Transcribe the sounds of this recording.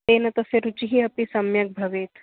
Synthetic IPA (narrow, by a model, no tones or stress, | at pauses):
eːnɐt̪ɐseɾut͡ʃiɦiɐpisɐmjɐk̚bʱɐʋeːt̪